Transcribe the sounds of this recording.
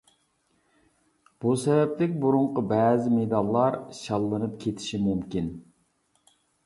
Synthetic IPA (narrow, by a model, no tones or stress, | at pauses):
b̥usɛvɛplɪkʲbuɾuɴqəbɛːzɪmed̪ɑlˠːɑɾʃɑlˠːɨnɨp̚kʲʰet̪ʰɪ̥ʃimumkʲin